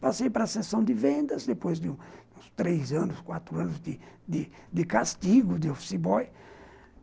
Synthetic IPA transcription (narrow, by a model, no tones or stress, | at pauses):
pasejpaɾɐsesɐ̃w̃d̪ɪvẽnd̪ɐzd̪epojzd̪ɪũũst̪ɾezɐ̃nʊskwat̪ɾʊɐ̃nʊzd̪ɪd̪ɪd̪ɪkast̪iɡʊd̪ɪofsibɔj